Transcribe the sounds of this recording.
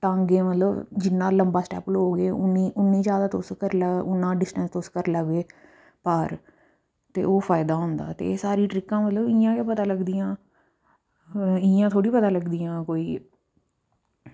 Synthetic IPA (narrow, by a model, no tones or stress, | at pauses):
t̪ãːəŋɡeːmət̪ləbd͡ʒɪnːãːləmbaːsʈɛ̰ːplɦoːɡeːʊnːiːʔʊnːĩːd͡ʒjaːd̪aːt̪ʊskəɾləʊnːãːɖɪsʈənst̪ʊskəɾləɡʋeː | pəɾ | t̪ḛːʔoːpʰaːɪd̪aːɦʊ̃ːnd̪a̰ːt̪ḛsaːɾiːʈɾɪkːãːmət̪ləbɪãːkeːpət̪aːləɡd̪iːjãː | ɪjãːt̪ʰoːɽiːpət̪aːləɡd̪ijãːkoːiː